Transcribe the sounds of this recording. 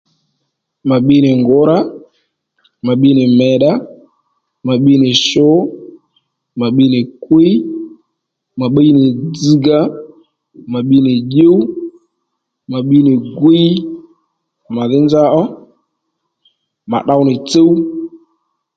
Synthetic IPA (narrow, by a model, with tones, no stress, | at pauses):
ma˨ɓi˦nɪ˨ŋɡo˨˦ɾa˦ | ma˨ɓi˦nɪ˨mɛ˨ɗa˦ | ma˨ɓi˦nɪ˨ʃo˦ | ma˨ɓi˦nɪ˨kwe˦j | ma˨ɓe˦nɪ˨d͡zi˦ɡa˦ | ma˨ɓi˦nɪ˨ʄe˦wu˦ | ma˨ɓi˦nɪ˨ɡwe˦j | ma˨ðɪ˦nd͡ʒa˦ʔɔ˦ | ma̰˨ɗa˦wnɪ˨t͡se˦w